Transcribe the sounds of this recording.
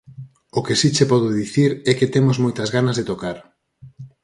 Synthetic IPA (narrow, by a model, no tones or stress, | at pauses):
okesit͡ʃepɔðʊðiθiɾɛket̪emʊzmojt̪ɐzɣanɐzðet̪okaɾ